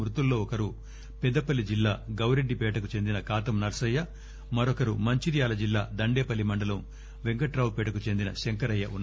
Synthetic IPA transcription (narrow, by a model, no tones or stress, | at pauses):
ɾut̪ulːo̞ːɔkɐɾu | pɛd̪ːɐpɐlːid͡ʒilːaːɡɐwɾeɖːipɛːʈɐkut͡ʃe̞nd̪inɐkaːt̪ɐmnɐɾsɐjːɐ | mɐɾɔkɐɾumɐɲt͡ʃiɾijaːlɐd͡ʒilːaːd̪ɐɳɖeːpɐlːimɐɳɖɐlɐm | ʋeŋkɐʈɾaːwpɛːʈɐkut͡ʃe̞nd̪inɐʃeŋkɐɾɐjːɐ̰ʔunː